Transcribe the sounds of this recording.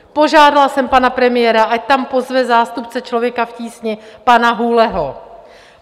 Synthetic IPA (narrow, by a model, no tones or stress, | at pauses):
po̞ʒaːdalsɛmpanapɾɛmɪjɛɾaʔac̚t̪ampo̞zvɛzaːst̪upt͡sɛt͡ʃlo̞vjɛkafciːsɲɪpanaɦulɛɦo